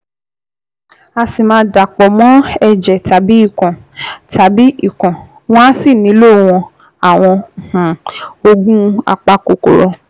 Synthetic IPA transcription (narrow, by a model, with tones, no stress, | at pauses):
a˧si˨mãː˦˧˦da˨k͡pɔ˨mɔ̃˦ɛ˧d͡ʒɛ˨ta˨bi˨˦i˦˨kã˨ | ta˨bi˦i˦˨kɔ̃˨ | w̃ɔ̃˦a˦si˦˨nĩ˨˦lo˦˨˦w̃ɔ̃˧ | a˨w̃ɔ̃˧˨h̩˨o˧ɡũ˦a̰˧k͡pa˧ko˨ko̰˨ɾɔ˧